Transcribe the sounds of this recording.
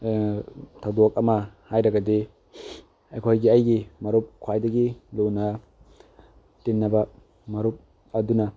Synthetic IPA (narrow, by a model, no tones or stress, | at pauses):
tʰɐwdok̚ɐmɐhajɾɐɡɐdi | ejkʰojɡiɐjɡimɐɾup̚kʰwajdɐɡiluwnɐ | tenːɐbɐ | mɐɾup̚ | ɐdunɐ